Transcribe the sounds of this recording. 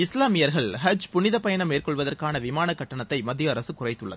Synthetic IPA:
ɪslaːmɪjɐɾɣɐɭɦɐd͡ʒpʊnɪðɐpɐjɐnɐmeːrkɔɭʋɐðɐrkaːnɐʋɪmaːnɐkːɐʈːɐɳɐt̪ːɐɪmɐd̪ːjɐːɾɐsɯkʊrɐɪt̪ːɯɭːɐðɯ

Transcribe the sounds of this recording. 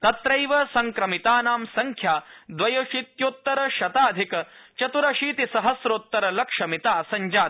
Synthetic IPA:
t̪ɐt̪ɾɐjʋɐsɐŋkɾɐmit̪aːnaːmsɐŋkʰjaːd̪ʋɐjoːʃit̪joːt̪ːɐɾɐʃɐt̪aːd̪ʱikɐt͡ʃɐt̪uɾɐʃiːt̪isɐɦɐsɾoːt̪ːɐɾɐlɐkʂɐmit̪aːsɐɲd͡ʒaːd̪̚

